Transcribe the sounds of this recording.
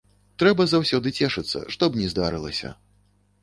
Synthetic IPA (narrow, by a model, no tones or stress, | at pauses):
t̪ɾɛbɐzawsʲɔd̪ɨt͡sʲɛʂɨt̪sːɐ̰ʂt̪ɔbnʲɛzd̪aɾɨlˠɐsʲɐ̰